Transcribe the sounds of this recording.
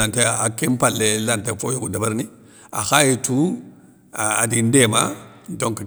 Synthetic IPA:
anteakempalːelantefojoɡudabaɾni | a̰xajetu | adindema | doŋk

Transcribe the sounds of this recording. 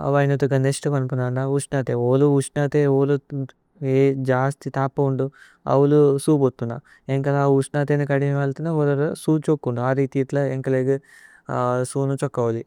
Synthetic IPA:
ɐ̰ʋajnɐt̪uɡɐneʂʈɐpɐnpunaːɳauʂnaːt̪eoːluuʂnaːt̪eoːlu | ed͡ʒaːst̪it̪aːpːɐuɳɖu | ɐ̰wulusuːbot̪ːunːa̰ | eŋkɐlauʂnaːt̪̬enikɐɽiniʋɐlt̪unːaolɐɾsuːt͡ʃokːuɳɖuaːɾit̪iːʈlɐeŋkɐleːɡi | suːnut͡ʃɔkːɐʋɐli

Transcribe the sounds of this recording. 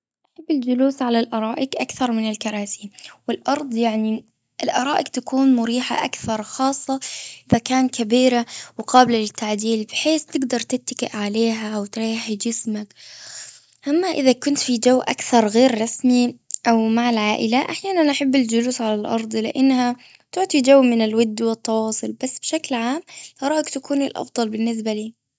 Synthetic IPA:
ʔaħabːɪld͡ʒʊluːsʕalalʔɑɾˤɑːʔɪkʔakθɑɾˤmɪnɪlkɑɾˤɑːsiːnwɪlʔɑɾˤd̪ˤjaʕni | ʔɪlʔɑɾˤɑːʔɪkt̪akuːnmʊɾiːħa̰ʔakθɑɾˤxɑːsˤːɑʔɪðakaːnt̪kabiːɾawɪqɑːbɪlalɪt̪ːaʕd̪iːlbɪħeːθt̪ɪɡd̪ɑɾˤt̪ɪt̪ːḁkɪ̰ʔʕaleːɦawt̪ɾɑːɪħd͡ʒɪsmak | ʔamːaʔɪðakʊnt̪fid͡ʒawːʔakθɑɾˤɣeːɾːˤɑsmiʔawmaʕalʕaːʔɪlaʔaħjaːnanʔaħabːɪld͡ʒʊluːsʕalalʔɑ̰ɾˤd̪ˤlɪʔanːha | t̪ʊʕt̪ˤid͡ʒawːmɪnɪlwad̪ːwɪt̪ːɑwɑːsˤʊlbasːb̥ɪʃaklʕaːmt̪ɑɾˤɑːʔakt̪akuːnɪlʔɑ̰fd̪ˤɑlbɪnːɪs̬baliː

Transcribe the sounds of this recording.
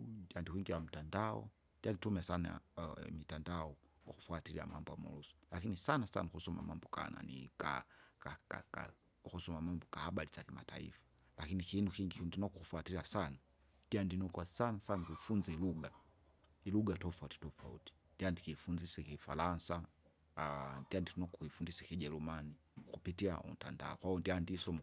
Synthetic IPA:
diandihwiŋɡiwam̩tandaɔ̰ | dianitumɛasana̰mitandaɔ | kaku̥fuatilia̰ma̰mbɔamṵlusɔ̥lakinisanasa̰nakusɔma̰mambɔka̰na̰nḭka̰ka̰ka̰ka̰ | kusɔmamambɔkahaɓalizakima̰ta̰ḭfḁ | lakinikinukiŋɡikndinɔkukufwatiɾiasana | ndiandinɔkwasanasanakuifunzɛluɡa | iluɡatɔfauti̥tɔfaṵti̥ndiandikifunzisɛkifalansa | ndiandinɔkɔkuifundisɛkiʄɛlumani | kupitiaṵm̩ta̰nda̰ɔ̰kwaundiandisɔm

